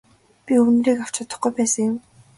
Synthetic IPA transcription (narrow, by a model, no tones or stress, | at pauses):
pʲiɵnriːkaw̥t͡ɕʰɔt̪ə̆χɡujpæːsə̆ŋjʊm